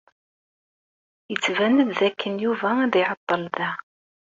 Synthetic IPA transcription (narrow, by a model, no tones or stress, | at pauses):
jət͡sːvænəððækʰːənjuvææðɪʕɑt̪ˤːəlðæ